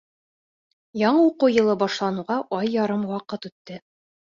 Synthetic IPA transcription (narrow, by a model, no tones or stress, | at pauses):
jɒɴɤuquwjɤ̆lˠɤbɒʃlˠɑnŭʁɑʔɑjːɑɾɤmwɑqɤt̪ʉt̪ːɘ